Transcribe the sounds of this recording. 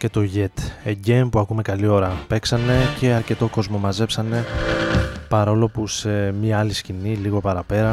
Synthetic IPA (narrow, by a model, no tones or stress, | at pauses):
ce̞t̪o̞ʝe̞t̪eɟempuɐkume̞kɐlio̞ɾɐpe̞ksɐne̞ce̞ɐɾce̞t̪o̞ko̞zmo̞mɐze̞psɐne̞ | pɐɾo̞lo̞puse̞mɲɐɐlisciniliɣo̞pɐɾɐpe̞ɾɐ